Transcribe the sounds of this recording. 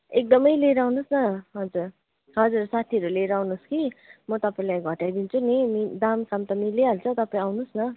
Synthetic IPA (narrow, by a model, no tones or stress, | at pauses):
ek̚d̪ʌmʌjleɾawnusnʌɦʌd͡zur | ɦʌd͡zursat̪ʰiʌɾuleɾawnuskimʌt̪ʌpaĩlajɡʱʌʈajd̪int͡sʰunimid̪amkamt̪ʌmileɦʌlt͡sʰʌt̪ʌpaĩawnusnʌ